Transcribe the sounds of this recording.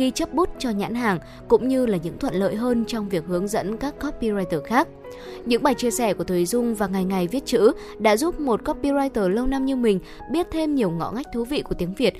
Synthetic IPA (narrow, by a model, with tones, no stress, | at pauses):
xi˧t͡ɕə˦˥p̚ɓu˦˥t̚t͡ɕɔ˧ɲa̰ː˧˥nɦaː˨˩ŋ | kʊ̰˧˥ŋ͡mɲɨ˧laː˨˩ɲɨ̰˧˥ŋt̪ʰwə̰˧˨nlə̰ː˧˨jɦəː˧nt͡ɕɔ˧wŋ͡mvi˨˩ək̚hɨ˨˦əŋzə̰˧˥nkaː˦˥kːɔ˦˥pːi˧zaː˧jt̪əː˨˩xaː˦˥k̚ | ɲɨ̰˧˥ŋɓaː˨˩jt͡ɕi˧əsɛ˧˩ku˧˩ət̪ʰə˨˩˦zʊ˧ŋ͡mvaː˨˩ŋa˨˩jŋa˨˩jvi˦˥ət̚t͡ɕɨ̰˧˥ | ɗa̰ː˧˥zu˦˥p̚mo˨˩t̚kɔ˦˥pːi˧zaː˧jt̪əː˨˩lə˧wna˧mɲɨ˧mï˨˩ŋ̟ | ɓi˦˥ət̚t̪ʰe˧mɲi˨˩əwŋɔ̰˧˨ŋa˦˥jk̟̚t̪ʰu˨˦vḭ˧˨ku˧˩ət̪i˨˦əŋvi˨˩ət̚